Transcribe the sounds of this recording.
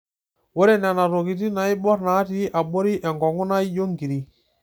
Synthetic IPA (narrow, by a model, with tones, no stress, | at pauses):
wɔ˦ɾɛ˦˨na˨na˨ɾo˨ki˨ti˦na˨i˦bɔ˦ɾna˨˦ti˦ʔa˨ɓo˦ɾi˦ʔɛ˨ŋɡɔ˨ŋʊ˦na˦i˦jo˦ŋɡi˨ɾi˨